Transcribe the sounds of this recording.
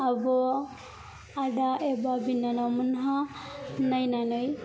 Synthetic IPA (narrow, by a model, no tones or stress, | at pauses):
abɔ | adaebabinːanamɯnɦanajnanɯj